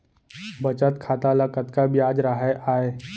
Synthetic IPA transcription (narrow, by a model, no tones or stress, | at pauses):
bət͡ʃət̪kʰaːt̪aləkət̪kabjaːd͡ʒɾaɦaʔaːe